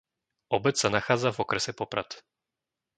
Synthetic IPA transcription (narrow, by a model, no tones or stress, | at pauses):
ɔbɛt̪anaxad̪zavɔkɾɛsɛpɔpɾʔat̪